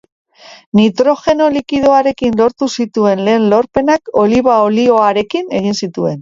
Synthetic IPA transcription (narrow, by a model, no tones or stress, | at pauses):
nit̪ɾo̞xe̞no̞likið̞oaɾe̞kinlo̞ɾt̪usit̪ue̞nle̞ːnlo̞ɾpe̞nako̞liβaolio̞aɾe̞kine̞ɣ̞insit̪ue̞n